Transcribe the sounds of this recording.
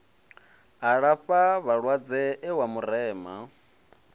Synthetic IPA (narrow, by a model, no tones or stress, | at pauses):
ɦaɺaɸaβaɺwad͡zɛʔɛwamurɛːma̰